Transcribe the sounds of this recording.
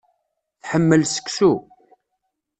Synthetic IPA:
θħəmːəlsə̥ksu

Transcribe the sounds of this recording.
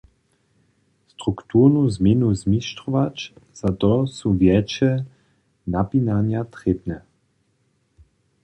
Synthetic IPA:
st̪ɾukt̪uːʁnuzmjenuzmiʃt̪ɾuʋat͡ʃz̥at̪ɔsuvjɛt͡ʃɛ | napinanjat̪ʁebnɛ

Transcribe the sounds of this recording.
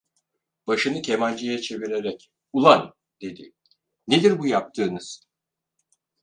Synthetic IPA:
b̥aʃɯnɯcʰe̞malʲd͡ʒejɛt͡ʃʰe̞viɾe̞ɾɛc | ulˠan | d̪e̞d̪ḭ | ne̞d̪iɾbujap̚t̪ʰɯːnɯz̥

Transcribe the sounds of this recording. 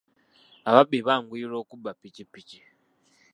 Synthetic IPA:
aβaɓiβaŋɡwiːɾokubapicipici̥

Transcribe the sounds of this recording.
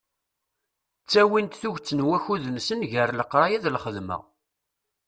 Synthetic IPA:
t͡sːæwint̪θuʝt͡sːənwæçuðənsənʝəɾləqːɾˤɑjæðlχəðmæ̰

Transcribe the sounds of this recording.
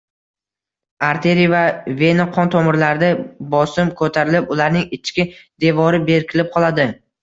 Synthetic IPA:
aɾt̪ʰe̞ɾijvavenɪqʰɒnt̪ʰomɪɾlaɾd̪abɒsɪmkʰɵt̪ʰaɾɪlɪpʊlaɾnɪŋɪt͡ʃʰkʲɪd̪e̞vɒɾɪbe̞ɾkʲʰɪlɪp̚qʰɒlˠad̪ɪ

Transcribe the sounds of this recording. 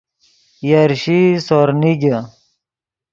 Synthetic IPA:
jaɾɕisoɾniɡɐ

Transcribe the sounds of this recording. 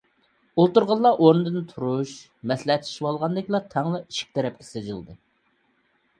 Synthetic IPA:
olˠt̪uɾʁɑlˠːɑʔoɾnɨd̪ɨnt̪ʰuɾuʃ | mɛslɛɦɛt̪ʰi̥ʃwɑlˠʁɑnd̪ɪkʲilˠɑt̪ʰɛŋlˠɑi̥ʃi̥k̚ʲt̪ʰɛɾɛp̚kʲʰɛ̥sed͡ʒɨlˠd̪ɨ

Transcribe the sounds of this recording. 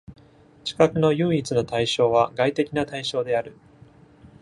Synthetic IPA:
t͡ɕi̥kakɯ̟no̞jɯ̟ːit͡sɨno̞t̪aiɕo̞ːβ̞aɡait̪e̞kʲinat̪aiɕo̞ːd̪e̞aɾɯ̟

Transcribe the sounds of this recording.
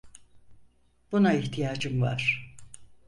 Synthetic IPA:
b̥unaiçt̪ʰijaːd͡ʒɯmva̰ɾ̥

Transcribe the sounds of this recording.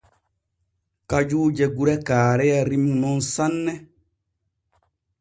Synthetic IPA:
kad͡ʒuːd͡ʒɛɡuɾɛkaːɾɛjaɾimimɔ̃nsanːɛ

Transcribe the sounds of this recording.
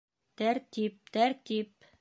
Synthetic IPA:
t̪æɾt̪ip̚t̪æɾt̪ip

